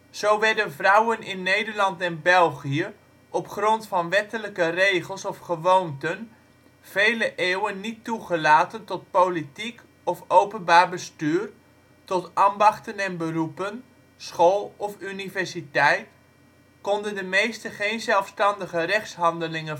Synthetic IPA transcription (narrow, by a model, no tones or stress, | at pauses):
z̥owʋɛɹdənvrʌwənɪnːejdəɹlɑntɛnbɛlˠχiə | ʔɔpχrɔntfɑnʋɛtələkərejχəlˠsɔfχəʋowntən | v̥ejləʔeːwənːitːuχəlaːtəntɔt̚powlitik | ɔfowpənbaːɹbəstyːr | tɔtaːmbɑχtənɛnbərupən | sχoːlˠɔfynivɛɹsitɛjt | kɔndəndəmejstəχejnzɛlˠfstɑndəχərɛχsɦɑndəlɪŋə